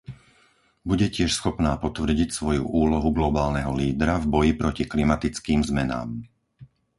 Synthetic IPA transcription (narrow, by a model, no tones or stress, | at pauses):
buɟɛcɪɛʃsxɔpnaːpɔt̪ʋr̩ɟicsʋɔjṵʔuːlɔɦuɡlɔbaːlnɛɦɔliːd̪ɾavbɔjipɾʔɔciklimat̪it͡skiːmzmɛna̰ːm